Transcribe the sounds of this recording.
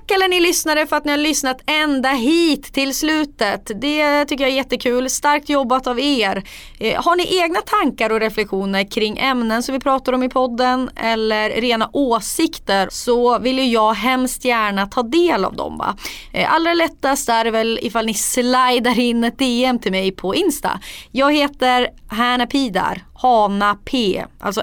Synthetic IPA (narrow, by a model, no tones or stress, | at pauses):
kːɛlːəɳɪlʏsnaɾəfœɾat̪nɪhaɾɭʏsnat̪ɛnd̪aɦiːt̪ʰːɪlslʉ̟ːt̪ət̪d̪ɛt̪ʰʏkːəjaæɾjɛt̪ːəkʰʉ̟ːlst̪aɾk̚t̪jɔbːat̪aveːɾ | haɳɪʔeːɡnat̪ʰaŋkaɾɔɾɛflɛkɧuːnəɾkʰɾɪŋːʔɛmnənsɔmvɪpʰɾɑːt̪aɾɔmɪpʰɔd̪ːənɛlːəɾɾeːnaʔoːsɪkt̪əɾsɔvɪlːjɵjɑːɡɦɛmst̪jæːɳat̪ʰɑːd̪eːla̰vd̪ɔ̰mva̰ | a̰ld̪ɾɛlɛt̪ːast̪æɾɛvɛlɪ̰falnɪslajd̪aɾɪnːɛt̪̚d̪eːɛmt̪ʰɪlmɛjpʰɔɪnst̪a̰jɑːɡheːt̪əɾɦæɳapʰiːd̪a̰ɾhɑːnapʰeːʔa̰lsɔ